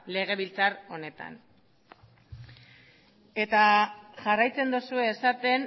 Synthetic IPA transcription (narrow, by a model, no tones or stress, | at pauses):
le̞ɣ̞e̞βilt͡saɾo̞ne̞t̪a̰n | e̞t̪aʝarajt͡se̞nd̪usue̞ːsat̪e̞n